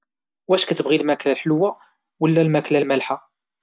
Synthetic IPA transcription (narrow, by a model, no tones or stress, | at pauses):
wæʃkæt̪ːəbʁilmæklælħəlwæ | wəlːælmæklælmælħa